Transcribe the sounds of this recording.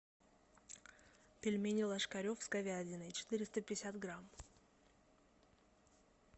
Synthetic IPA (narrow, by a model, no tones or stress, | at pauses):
pʲɪlʲmʲenʲɪlˠɐʂkɐɾʲofskɐvʲadʲɪnəjt͡ɕɪ̥t̪ɨɾʲɪst̪əpʲɪɪsʲat̪ɡɾam